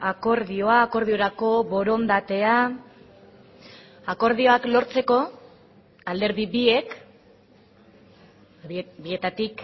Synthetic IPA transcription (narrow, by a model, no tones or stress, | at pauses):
ako̞ɾðio̞aːko̞ɾð̞io̞ɾako̞βo̞ɾo̞nd̪at̪e̞a | ako̞ɾð̞io̞aklo̞ɾt͡se̞ko̞ | ald̪e̞ɾðiβie̞k | bie̞t̪at̪ik